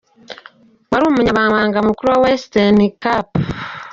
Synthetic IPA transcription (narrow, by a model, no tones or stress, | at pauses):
waɾumaɲaβaːŋaːŋɡamukuɾwawestanikap